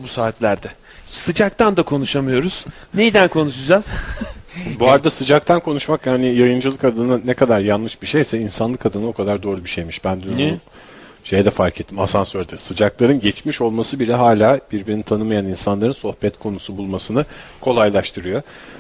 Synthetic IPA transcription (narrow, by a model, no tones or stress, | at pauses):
busaːt̪lʲæɾd̪ɛ | sɯd͡ʒak̚t̪ʰand̪akʰo̞nuʃamɯjo̞ɾuz̥ | nejd̪ænkʰo̞nuʃud͡ʒaz̥ | buaɾad̪asɯd͡ʒak̚t̪ʰankʰo̞nuʃmakjaːnijajɯnd͡ʒɯlˠɯkad̪ɯnanɛkʰad̪aɾjanːɯʃbiʃejsɛinsanlˠɯkad̪ɯnao̞kʰad̪aɾd̪o̞ːɾubiʃejmiʃbænd̪yn | ʃe̞jd̪ɛfaɾkʰet̪ʰːimasansøɾd̪ɛsɯd͡ʒaklˠaɾɯnɟɛt͡ʃmiʃo̞lˠmasɯbilʲɛɦaːlʲaːb̥iɾbiɾinit̪ʰanɯmajaninsanlˠaɾɯnso̞hbɛt̪kʰo̞nusubulˠmasɯnɯkʰo̞lˠajlˠaʃt̪ʰɯɾɯjo̞